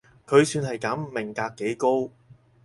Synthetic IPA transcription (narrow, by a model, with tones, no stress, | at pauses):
kʰɵ˨˧ɥsyː˧nɦɐ˨jkɐː˨˥m˨mːɪ˨˩ŋkaː˧kːe˨˥jko˥w